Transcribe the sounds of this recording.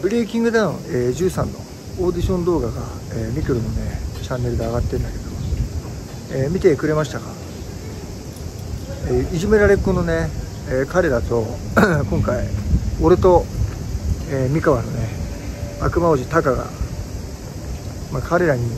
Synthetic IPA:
bɯ̟ɾʲiːkʲĩŋɡɯ̟d̪ãɰ̃eːd͡ʑɨːsãnːo̞̰ | o̞ːd̪ʲiɕõ̞nd̪o̞ːɡaɡa̰ | eːmʲikɯ̟ɾɯ̟no̞net͡ɕãnːe̞ɾɯ̟d̪eaɡat̪ːẽ̞nd̪ake̞d̪o̞ | eːmʲit̪e̞kɯ̟ɾe̞maɕi̥t̪aɡa̰ | eːiʑime̞ɾaɾe̞ɯkono̞ne̞ː | kaɾe̞ɾat̪o̞kõ̞ŋkaioɾet̪o̞ | eːmʲikaβano̞ne̞ | akɯ̟maoʑit̪akaɡa̰ | makʰaɾe̞ɾaɲ̟i

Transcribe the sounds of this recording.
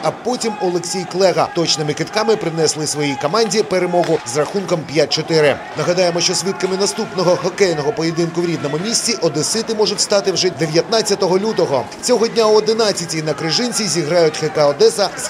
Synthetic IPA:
ɐpɔtʲimɔlˠeksʲijklˠɛɦɐt̪ɔt͡ʃnɪmɪkɪt̪kɑmɪpɾɪnɛslˠɪsʋɔjijkɔmɑnʲdʲipeɾemɔɦʊzrɐxunkɔmpʲjat̚ʲt͡ʃɔt̪ɪɾɪ | nɐɦɐd̪ɑjemɔʃt͡ʃɔsʲʋʲit̪̚kɐmɪnɐst̪upnɔɦɔxɔkɛjnɔɦɔpɔjed̪ɪnkʊwɾʲid̪̚nɔmʊmʲisʲt͡sʲiʔɔd̪ɪsɪt̪ɪmɔʐʊtʲst̪ɑt̪ɪwʒɛd̪eʋʲjɐt̪nat͡sʲːɐt̪ɔɦɔlʲut̪ɔɦɔ | t͡sʲɔɦɔdʲnʲauɔd̪ɪnat͡sʲːɐtʲinɐkɾɪʒɪnʲt͡sʲizʲiɦɾɑjʊtʲxekɐɔd̪ɛsɐz

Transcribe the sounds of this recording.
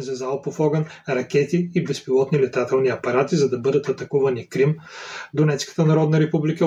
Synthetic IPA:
zɐzalˠpofɔɡɐnɾɐkʲɛt̪iːbɛspilˠɔt̪nilɛt̪at̪ɛlˠniɐpɐɾat̪izɐd̪ɐbɤd̪ət̪ɐt̪ɐkuvɐnikɾimd̪onɛt̪skə̥t̪ənɐɾɔd̪nɐɾɛpublikə

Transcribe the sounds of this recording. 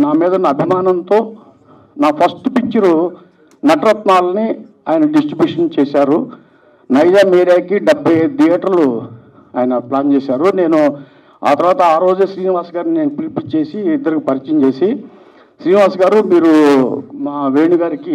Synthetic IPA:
naːmiːd̪ɐnaɐbʱimaːnɐnt̪o̞ː | naːpʰɐsʈupit͡ʃiɾu | nɐʈɐɾɐt̪maːlɐni | aːjɐnɐɖisʈɾibjuːʂɐnt͡ʃeːsaːɾu | nɐjd͡ʒaːmeːɾjaːkiɖɐbʱːɐjd̪ijaːʈɐɾlu | aːjɐnɐplaːnt͡ʃeɛːsaːɾune̞ːnu | a̰ːt̪ɐɾʋaːt̪ɐaːɾo̞ːd͡ʒesɾiːniʋaːsɐɡaːɾninenupilipit͡ʃe̞ːsiːd̪ːɐɾikipɐɾit͡ʃɐɲt͡ʃeːsi | sɾiːniʋaːsɐɡaːɾumiːɾumaːʋeːɳiɡaːɾiki

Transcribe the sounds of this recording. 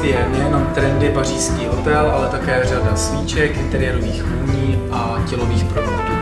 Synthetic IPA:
jɛnɛjɛno̞mt̪ɾɛndɪpariːskiːot̪ɛlʔalɛt̪akɛːr̝adasviːt͡ʃɛkʔɪnt̪ɛɾɪjɛɾoviːxuɲiːʔa | cɛlo̞viːxpɾovladuː

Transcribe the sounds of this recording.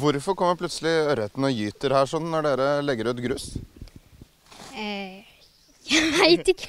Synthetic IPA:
ʋʊɾfɔɾkɔmːəɾpʰlʉt̪səlɪœɾət̪ənɔjyːt̪əɾhæːʂɔnːnːɔɖeːɾəlɛɡːəɾʉːt̪ɡɾʉs | jææɪt̪ɪk

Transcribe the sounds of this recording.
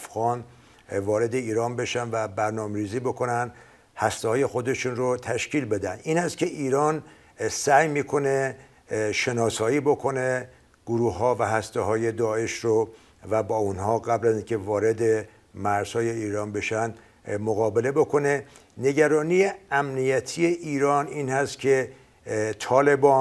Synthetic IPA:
fɣɒːn | vɒːɾe̞d̪e̞iːɾɒːnbe̞ʃænvæbæɾnɒːmeɾiːziːbo̞kʰo̞nænd̪ | hæst̪ehɒːje̞xo̞d̪e̞ʃunrot̪ʰæʃciːlbe̞d̪ænd̪iːnhæst̪cʰe̞ʔiːɾɒːn | sæjmiːkʰo̞ne̞ | ʃe̞nɒːsɒːiːbo̞kʰo̞ne̞ | ɡ̥oɾuːhɦɒːvæɦæst̪eɦɒːje̞d̪ɒːe̞ʃɾo | væbɒːunhɒːɣæblæziːnkʲʰe̞vɒːɾe̞d̪e̞ | mæɾz̥hɒːje̞iːɾɒːnbe̞ʃæn | moɣɒːbe̞le̞bo̞kʰo̞ne̞ | ne̞ɟæɾɒːnijeæmnijæt̪ʰije̞ʔiːɾɒːniːnhæst̪kʰe̞ | t̪ʰɒːle̞bɒː

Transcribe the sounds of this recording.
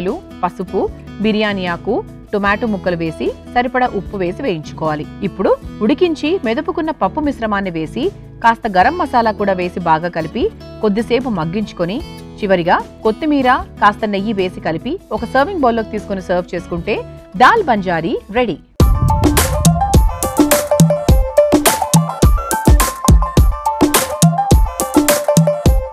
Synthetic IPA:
lu | pɐsupu | biɾijaːnijaːku | ʈomaːʈumukːɐluʋe̞ːsisɐɾipɐɽɐʔupːuʋe̞ːsiʋejiɲt͡ʃu̥kɔːʋaːliːpːuɽuuɽikiɲt͡ʃimɛd̪ɐpukunːɐpɐpːumisɾɐmaːnːiʋe̞ːsi | kaːst̪ɐɡɐɾɐmːɐsaːlɐkuːɽaːʋe̞ːsibaːɡaːkɐlipi | ko̞d̪ːise̞ːp̬umɐɡːiɲt͡ʃu̥koni | t͡ʃiʋɐɾiɡaːko̞t̪ːimiːɾaːkaːst̪ɐnejiʋe̞ːsikɐlipiɔkɐsɐːɾʋiŋɡboːlːoːk̚it̪iːsu̥konisɐːɾʋt͡ʃe̞ːsu̥kuɳʈe̞ːd̪aːlbɐɲd͡ʒaːɾiɾeɽi

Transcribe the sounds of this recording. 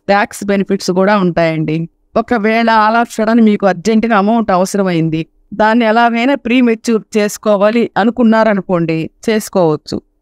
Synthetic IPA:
ʈ̪aːksbenipʰiʈskuːɽaːuɳʈaːjɐɳɖi | ɔkɐʋɛːɭɐːlaːʂɐɽɐnimiːkuɐɾd͡ʒeɳʈinɐmɐwɳʈɐʋɐsɐɾɐmɐjind̪i | d̪aːnːiɛlaːɡɐjnaːpɾiːmet͡ʃːuɾt͡ʃe̞ːsu̥kɔːʋaːliʔɐnukunːaːɾɐnuko̞ːɳɖit͡ʃe̞ːsu̥kɔːʋɐt͡ʃːṵ

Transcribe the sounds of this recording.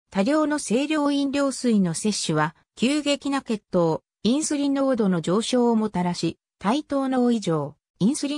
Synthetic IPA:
t̪aɾʲo̞ːno̞se̞ːɾʲo̞ːĩnɾʲo̞ːsɨino̞se̞ɕːɨβa | kʲɨːɡe̞kʲinake̞t̪ːo̞ː | ĩɰ̃sɨɾʲino̞ːd̪o̞no̞d͡ʑo̞ːɕo̞ːmo̞t̪aɾaɕi | t̪ait̪o̞ːno̞ːiʑo̞ː | ĩɰ̃sɨɾʲi

